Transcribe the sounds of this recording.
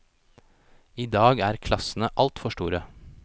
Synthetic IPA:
iːd̪ɑːɡæːɾkʰlɑsn̩əʔɑlt̪fɔʃʈuːɾə

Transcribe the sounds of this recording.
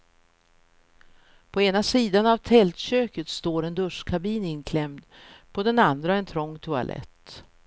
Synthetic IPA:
pʰɔeːnasiːd̪anavt̪ʰɛlt̪ɕøːkət̪st̪oːɾɛnd̪ɵʂkʰabiːnɪnkʰlɛmd̪pʰɔd̪ɛnand̪ɾaɛnt̪ʰɾɔŋːt̪ʰɵa̰lʔɛ̰t̪

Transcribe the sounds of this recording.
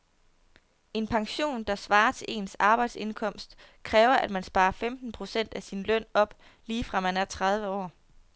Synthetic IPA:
e̝npʰɑ̈ŋɕo̝̰ːnd̥ɑ̈sʋɑ̈ːɐt͡sʰe̝lʔe̝̰ːnsɑ̈ːb̥ɑ̈ɪd̥se̝nkʰɒ̽m̰sd̥ | kʰʁɛːʊɐʔæd̥mænsb̥ɑ̈ːɐfemd̥n̩pʰʁo̝sen̰d̥æsinlœn̰ɒ̽b̥ | liːfʁɑ̈mænæɐt͡sʰʁɑð̞ˠʋəɒ̰ː

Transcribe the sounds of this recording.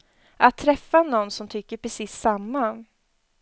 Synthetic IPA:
ʔat̪ʰːɾɛfːanɔnːsɔmt̪ʰʏkːəɾpʰɾɛsiːsːamːa

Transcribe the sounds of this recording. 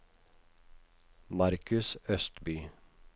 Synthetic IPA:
mɑɾkʰʉsœst̪byː

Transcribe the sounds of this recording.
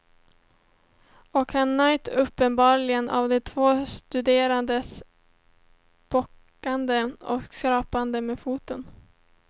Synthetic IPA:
ɔkhanːœʏt̪ɵpːənbɑːɾɭɪɡənʔa̰vd̪ɛt̪ʰvoːst̪ɵd̪eːɾand̪əs | b̥ɔkːand̪əɔkskɾɑːpand̪əmeːfuːt̪ən

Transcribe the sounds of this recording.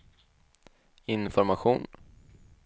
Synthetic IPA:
ɪnfɔɾmaɧṵːn

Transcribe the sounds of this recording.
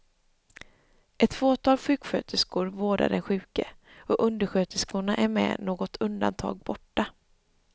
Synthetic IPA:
ʔɛt̪foːt̪ʰɑːlɧʉ̟ːkɧøːt̪əskʊɾvoːɖa̰ɖɛnɧʉ̟ːkəɔʔɵnd̪əɧøːt̪əskʊɳaʔæɾmɛ̰noːɡɔt̪ʰɵnd̪a̰nt̪ʰɑ̰ːɡ̚bɔʈːa

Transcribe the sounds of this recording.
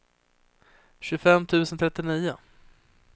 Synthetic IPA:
ɕɵfɛmːt̪ʰʉ̟ːsənt̪ʰɾɛt̪ːɪniːʊ

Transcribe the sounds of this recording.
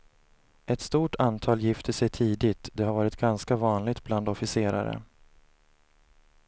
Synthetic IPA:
ʔɛt̪st̪uːʈʰant̪ʰɑːljɪft̪əʂɛjt̪ʰiːd̪ɪt̪d̪ɛhaɾvɑːɾɪt̪ɡanskavɑːnlɪɡ̚t̪̚bland̪ɔfɪseːɾa̰ɾə̰

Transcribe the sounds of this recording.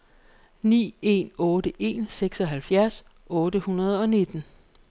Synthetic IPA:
nḭːe̝̰nɔːɾəʔe̝̰nseɡ̥sɒ̽ɦælfjæɐs | ʔɔ̽ːɾəhunɐð̞̩ˠɒ̽ne̝d̥n̩

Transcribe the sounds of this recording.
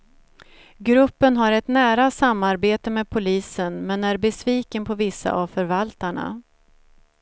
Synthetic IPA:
ɡɾɵpːənɦaɾɛt̪næːɾasamːaɾbeːt̪əmɛːd̪̚pʰʊliːsənmɛnæɾbɛsviːkənpʰɔvɪsːa̰ʔavfœɾvalt̪aɳa̰

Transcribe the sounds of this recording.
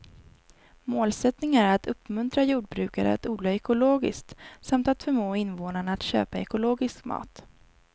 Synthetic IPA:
moːlsɛt̪nɪŋæɾat̪ʰɵpːmɵnt̪ɾajuːɖ̚bɾʉ̟ːkaɾə̰a̰t̪uːd̪lɑɛkʊloːɡɪ̰skt̪samt̪at̪fœɾmoːɪnvoːnaɳaːt̪ɕø̰ːpaɛkʊloːɡɪskmɑ̰ːt̪

